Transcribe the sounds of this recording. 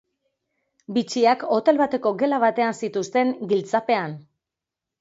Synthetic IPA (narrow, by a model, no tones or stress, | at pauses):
bit͡ʃiako̞t̪e̞lβat̪e̞ko̞ɡe̞laβ̞at̪e̞ansit̪ust̪e̞ŋɡilt͡sape̞an